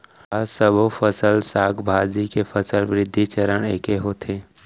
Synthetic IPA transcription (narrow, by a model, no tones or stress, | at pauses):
asəbofəsəlsaːkbʱaːd͡ʒikefəsəlʋɾɪd̪ʱːit͡ʃəɾəɽeːkeɦoːt̪ʰeː